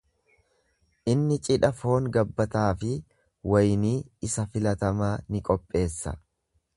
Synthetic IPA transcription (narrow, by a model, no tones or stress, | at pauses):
ʔɪnːɪt͡ʃʼɪᶑɐfo̞ːŋɡɐbːɐt̪aːfɪ | wɐjniːɪsɐfɪlɐt̪ɐmaːnɪkʼɔpʼːe̞ːsːɐ̰